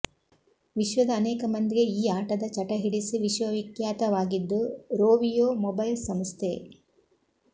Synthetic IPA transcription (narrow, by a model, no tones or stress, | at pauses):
ʋiʃʋɐd̪ɐːnɛːkɐmɐnd̪iɡe̞iːaːʈɐd̪ɐt͡ʃɐʈɐɦiɽisiʋiʃʋɐʋikjaːt̪ɐʋaːɡid̪ːuɾoːʋijoːmɔbɐjlsɐmst̪ʰe